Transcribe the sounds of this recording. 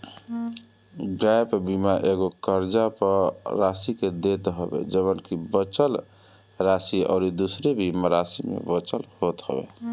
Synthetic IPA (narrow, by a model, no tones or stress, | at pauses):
ɡajpbimaʔeɡokəɾd͡ʒapəɾɾasiked̪et̪ɦəbḛd͡ʒəβənkibət͡ʃəl | ɾasiɔ̰ʊɾid̪usɾebʱimaɾasimḛbət͡ʃəlhot̪ɦə̰bḛ